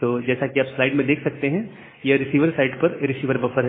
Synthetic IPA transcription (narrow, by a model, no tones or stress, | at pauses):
t̪oːd͡ʒɛːsakiaːpslaɪɖmẽd̪eːkʰsɐk̚t̪eɦɛ̃ | jeɾɪsiːʋəɾsaɪɖpɐɾɾɪsiːʋəɾbɐfəɾɦɛ